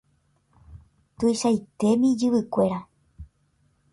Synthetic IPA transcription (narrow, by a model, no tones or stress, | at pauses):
t̪ujʃajt̪e̞mĩd͡ʒɨβɨkʷe̞ɾa